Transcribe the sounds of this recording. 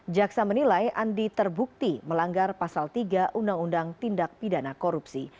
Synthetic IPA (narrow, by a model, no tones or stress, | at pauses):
d͡ʒaksamənilajandit̪ərbuk̚t̪iməlaŋɡarpasalt̪iɡaʔundaŋundaŋt̪indak̚pidanakɔɾupsi